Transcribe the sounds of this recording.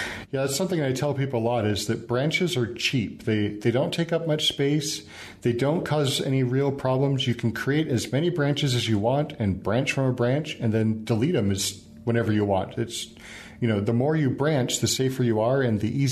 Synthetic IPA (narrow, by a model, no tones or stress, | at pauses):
jæðsʌ̃mθɪ̃ŋɨɾaɪtʰɛlˠpʰipl̩ˠəlɔɾɪzðɨt̚b̥ɹæ̃nt͡ʃɨzə˞t͡ʃʰip̚ðeɪðeɪɾõʊ̃ntʰeɪkʌp̚mʌt͡ʃspeɪs | ðeɪdõʊ̃nkʰɔzɛ̰ñiɹilˠpʰɹ̥ɑblə̃mzjɨkʰn̩kʰɹ̥ieɪɾɨzmɛɾ̃ibɹæ̃nt͡ʃɨzɨzjɨwɑ̃ntɨ̃nbɹæ̃nt͡ʃfɹʌ̃məbɹæ̃nt͡ʃɨ̃nðɨ̃nd̥əliɾɨ̃mɨz̥ | wɛ̃ɾ̃ɛvə˞jɨwɑ̰̃ntʰɨts | jɨñoʊðəmɔɹjɨbɹæ̃nt͡ʃðɨseɪfə˞jɨə˞ɨ̃nðiʔiz